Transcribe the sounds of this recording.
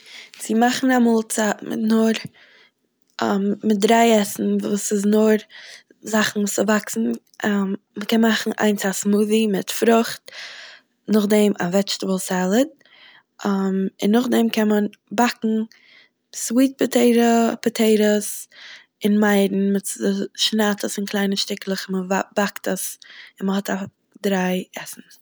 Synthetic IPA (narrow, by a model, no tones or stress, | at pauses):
t͡sɪmaχn̩amuːlˠt͡satmɪ̰tnʊɾ | mɪt̚dɾaɪɛsn̩vṵːsɪznʊɾ | zaχn̩vuːsəvaksn̩ | məkɛnmaχn̩ʔa̰ɪnt͡sasmuːðimɪtfɾʊχt̚ | nʊχdɛma̰vɛt͡ʃtəbəlˠsɛlˠəd̚ | mɪnːʊχdɛmkʰɛnmən | bakŋ̩ | swiːt̚pətʰeɪɾəpətʰeɪɾəs | ɪnmaɪdn̩mɪtəʃnaːtʰəsɪnkʰlˠaɪnəʃtɪklˠəχɪnməvab̥aktəsɪnməhɔtʰa | dɾaɪɛsn̩